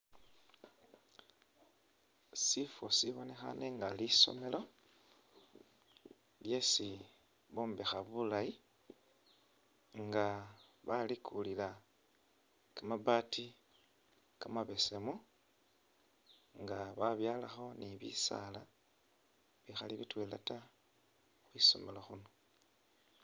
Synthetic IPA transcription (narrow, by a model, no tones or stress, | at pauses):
sifosiβo̞ne̞xa̰ne̞ŋɡaliso̞̰me̞lo̞ | lje̞si | βoːmbexaβulaji | ŋɡaβalikʰulila | kamaβaːtʰi | kamaβe̞semu | ŋɡaβaβjaːlaxo̞niβḭsa̰la | βixaliβitwelata | xwiso̞̰me̞loxuno